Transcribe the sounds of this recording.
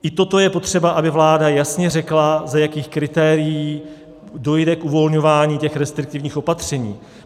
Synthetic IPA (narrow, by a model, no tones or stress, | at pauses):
ʔɪt̪o̞t̪o̞jɛpo̞t̪r̝̥ɛbaʔabɪvlaːdajasɲɛrɛklazajakiːxkɾɪt̪ɛːɾɪjiː | do̞jdɛkʔuvo̞lɲo̞vaːɲiːcɛxɾɛst̪ɾɪk̚t̪ɪvɲiːxʔo̞pat̪r̝̥ɛɲḭː